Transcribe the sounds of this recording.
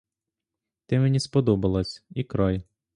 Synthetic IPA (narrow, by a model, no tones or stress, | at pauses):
t̪ɛmenʲispɔd̪ɔbɐlˠɐsʲikɾɑj